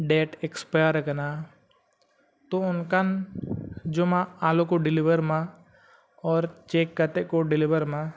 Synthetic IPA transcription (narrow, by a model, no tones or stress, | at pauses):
ɖeːʈɛkspajəɾəkna | t̪oʊnkan | d͡ʒomãaːlokoɖɪliʋəɾmã | ɔːɾt͡ʃeːkːət̪eʔkoɖɪliʋəɾmã